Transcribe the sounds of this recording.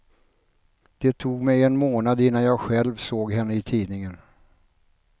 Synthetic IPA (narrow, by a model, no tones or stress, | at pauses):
d̪̥ɛt̪ʰuːɡmɛjɛnmoːnad̪ɪnːanjɑːɡɧɛlvsoːɡɦɛnːəɪt̪ʰiːd̪nɪŋən